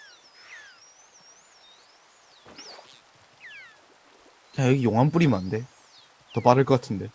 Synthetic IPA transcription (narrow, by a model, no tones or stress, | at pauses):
t͡ɕajʌɡijoŋɦanp͈uɾimande̞ | tʌp͈aɾɯɭk͈ʌk͈atʰɯnde̞